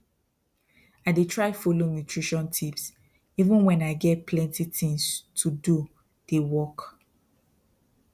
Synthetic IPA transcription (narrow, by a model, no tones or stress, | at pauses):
aɪdetʰɹaɪfolonjutʰɹiʃɔ̃ntʰips | ivũnwɛ̃naɪɡɛt̚pʰlɛ̃ntitĩŋstʰudu | d̥ewɔk